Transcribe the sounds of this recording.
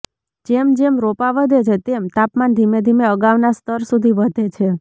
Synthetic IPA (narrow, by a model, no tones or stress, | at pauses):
d͡ʒemd͡ʒemɾopaʋəd̪ʱet͡ʃʰet̪emt̪apmand̪ʱimed̪ʱimeəɡaʋnast̪əɾsud̪ʱiʋəd̪ʱet͡ʃʰe